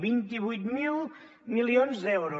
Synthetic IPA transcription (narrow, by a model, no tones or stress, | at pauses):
bint̪iβujt̪milˠ | milionzd̪ɛwɾu